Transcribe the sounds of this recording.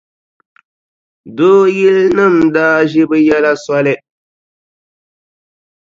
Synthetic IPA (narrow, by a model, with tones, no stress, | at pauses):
doː˦jɪ˦lnɨ˦˨mdaː˦ʒɪ˦bɨ˦jɛ˦la˦sa˦lɪ˦